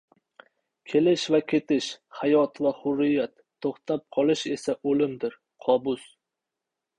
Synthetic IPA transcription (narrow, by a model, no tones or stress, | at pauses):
kʲʰe̞lɪʃvakʲʰe̞t̪ɪʃhajɒt̪vahʊɾɪjat̪ʰːoχt̪ʰap̚qʰɒlˠɪʃe̞saʔolɪmd̪ɪɾ | qʰɒbʊs